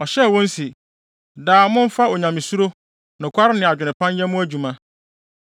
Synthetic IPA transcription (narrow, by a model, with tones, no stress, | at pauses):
ɔ˨ɕɛ˦˨wɔ̃˦n˦si˨ | daː˨mʊ̃˦n̩˦fa˦o˨ɲã˨mĩ˨su˦ɾo˦ | nʊ̃˨kʷʰa˦ɾɪ˦nɪ̃˨a˨d͡ʑᶣɪ˨nɪ̃˨pʰã˦njɛ˦mʊ̃˦æ˦d͡ʑu˨mã˦